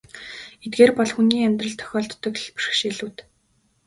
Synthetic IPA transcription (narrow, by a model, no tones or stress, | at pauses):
et̪̚ɡeːrpɔɮxuniːamʲt̪rə̆ɮt̪ʰœ̥xʲɔːɮt̪ːɞ̆kɮpu̥ʃ̆xʃeːɮuːt̪